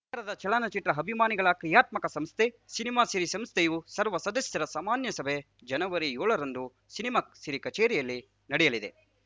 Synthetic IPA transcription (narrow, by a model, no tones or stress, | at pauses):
ɐɾɐd̪ɐt͡ʃɛɭɐnɐt͡ʃiʈɾɐɦɐbʱimaːniɡɐɭɐkɾijaːt̪mɐkɐsɐmst̪ʰe | sinimaːsiɾisɐmst̪ʰejusɐɾʋɐsɐd̪ɐsjɐɾɐsaːmaːnjɐsɐbʱe | d͡ʒɐnɐʋɐɾijɔːɭɐɾɐnd̪u | sinimaːsiɾikɐt͡ʃeːɾijɐlːi | nɐɽɛjɐlid̪e